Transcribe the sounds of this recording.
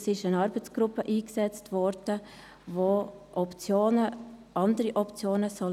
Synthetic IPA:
sɪʃənɑɾbət͡sɡ̥ɾʊpːəʔiːksɛt͡stvɔɾd̥ə | voː | ʔɔpt͡sjoːnə | ʔɑndəɾiʔɔpt͡sjoːnəsɔl

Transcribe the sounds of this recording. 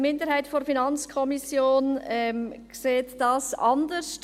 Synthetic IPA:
mɪndəɾhaɪtfoɾfinɑnt͡skʰɔmisjoːnɛkseːtd̥ɑsʔɑndəst

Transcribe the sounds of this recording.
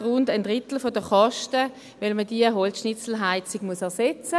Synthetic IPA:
ʁʊndəndʁɪtl̩fodəχɑʃtə | ʋɛlməd̥iəɦɔlsʃnɪt͡sl̩ɦaɪt͡sɪɡ̥muəsɛɐsɛt͡sə

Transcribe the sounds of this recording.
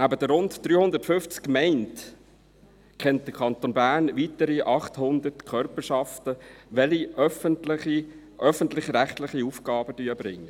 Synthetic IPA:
æbəd̥əɾʊntd̥̪ɾyːhʊnd̪əɾtfʏft͡skːmɛɪnt | kʰɛnt̚d̥̪əkʰɑnt̪onbæːɾnʋitəɾiʔɑχthʊnd̪ətkʰœɾpəʃɑftəʋɛliʔœfəntlɪχi | ʔœfəntlɪχɾæχt̪lɪχiufɡ̥ɑːbəd̥yːəb̥ɾɪŋːə

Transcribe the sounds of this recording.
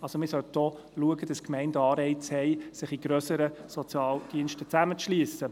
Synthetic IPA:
ɑlsomɪːɾsœlt̚d̥ɔ | luəɡəd̥ɑskmɛɪndɑːɾɛɪt͡shɛɪsɪχiɡ̥ɾœsəɾəsɔt͡sjɑːld̥iənʃtət͡sæmət͡sʃliːəsə

